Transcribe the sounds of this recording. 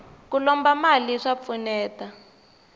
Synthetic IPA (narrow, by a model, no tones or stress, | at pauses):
kulɔmbamaliʂap̪funɛːta